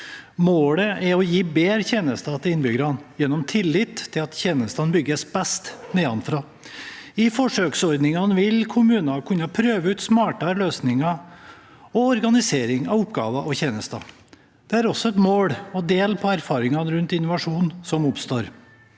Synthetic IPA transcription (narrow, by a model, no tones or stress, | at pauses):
moːɽəʔɛɔjiːbeːɾçeːnəst̪ɑt̪ʰɪlɪnːbʏɡəɾɑnjɛnːɔmt̪ʰɪlːɪt̪ʰːɪlɑt̪çeːnəst̪ɑnbʏɡːəsbɛst̪neːɑnfɾɑː | ɪfɔʂøːksɔɾd̪nɪŋɑnʋɪlkʰʊmʉːnɑkʰʉnːɑpʰɾøːʋəʉːt̪smɑːʈɑløːsnɪŋɑ | ɔɔɾɡɑnɪseːɾɪŋɑʋʊpːɡɑ̰ːʋɑʔɔçeːnəst̪ɑ̰ | d̪̥ɛæɾɔsːɔɛt̪moːɽɔd̪eːlpʰɔæɾfɑːɾɪŋɑnɾʉnt̪ɪnːʊʋɑʂuːnsɔmʊpst̪oːɾ